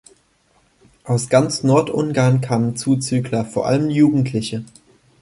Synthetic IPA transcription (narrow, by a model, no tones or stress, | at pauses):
ʔaʊsɡ̥ant͡snɔɐtʔʊnɡaɐnkʰaːmənt͡suːt͡syːklɐfoːɐʔa̰ləmjuːɡŋ̩tʰlɪçə